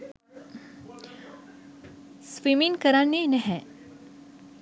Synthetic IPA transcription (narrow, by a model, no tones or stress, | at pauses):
sʋimiŋkəɾãnːinəɦɛ̃